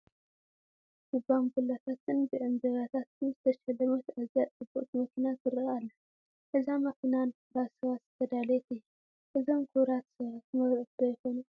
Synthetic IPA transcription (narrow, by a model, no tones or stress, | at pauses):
ɡ̥ubamɡulːat̪ʰat̪ʰɨnbɨʔɨnzɐɾat̪ʰat̪ɨnzɨt̪ʰɐʃɐlːɐmɐt̪aziat͡sʼɨbuʔʼt̪ʰimɐkʰinat̪ɨɾɨalːɐ | ʔɨzamɐkʰɨnan | ɾasɐβazɐfɐd̪alɐjɛt̪ɨjːu | ʔɨzomkʰuβɾat̪βt̪ʰɨmɐβɾɨt̪ojɛxonu